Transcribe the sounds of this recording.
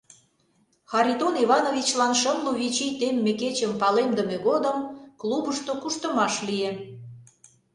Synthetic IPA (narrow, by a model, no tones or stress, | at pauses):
xɑɾʲit̪oniβɑnovʲit͡ɕlɑnʃəmluβʲit͡ɕijt̪emːeket͡ɕəmpɑlemd̪əmeɣod̪əmklubəʃt̪okuʃt̪əmɑʃlie